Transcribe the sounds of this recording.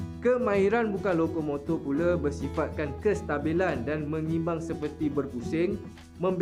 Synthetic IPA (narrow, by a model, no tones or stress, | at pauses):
kəmãiɾanbukanlokomõt̪ɔpulabərsifat̪̚kankəst̪abilandanmə̃ŋĩmbaŋsəpərt̪ibərpusɪŋ | mə̃mb